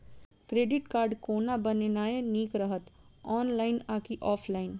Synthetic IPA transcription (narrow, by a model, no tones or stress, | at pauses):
kɾeːɖɪʈkaːɾɖkoːnabənenaːeniːkɾəɦət̪ | ɔːnlaːɪnaːkiʔɔːpʰlaːɪn